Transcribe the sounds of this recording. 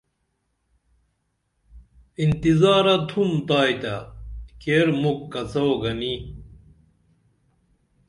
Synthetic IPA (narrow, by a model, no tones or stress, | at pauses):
int̪izaːɾɐt̪ʰumt̪aːjt̪ɐkeɾmukːɐt͡sɐoɡɐni